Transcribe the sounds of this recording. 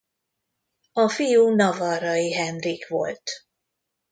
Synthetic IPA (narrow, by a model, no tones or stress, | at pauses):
ɒfijunɒvɒɾɒjiɦɛnrikʋo̰lt̪